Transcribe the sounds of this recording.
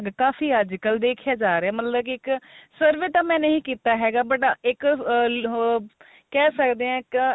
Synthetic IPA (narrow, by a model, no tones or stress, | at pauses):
ɡkaːfiːəd͡ʒkəld̪eːkʰjaːd͡ʒaːɾeɛːmət̪ləbkɪksəɾʋeːt̪ãːmɛ̃ːnəĩːkiːt̪aːɦɛːɡaːbəʈaːʔɪk | kɛːsəkd̪eːɛ̃ːk